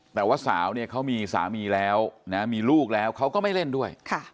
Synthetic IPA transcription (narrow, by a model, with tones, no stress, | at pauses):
t̪ɛː˨˩waː˥˩sa̰ː˩˦wni˥˩ɐkʰa˦˥wmiː˧sa̰ː˩˦miː˧lɛː˦˥wna˦˥miː˧luː˥˩k̚lɛː˦˥wkʰa˦˥wkɔː˥˩ma˥˩jle˥˩ndu˥˩əjkʰa˥˩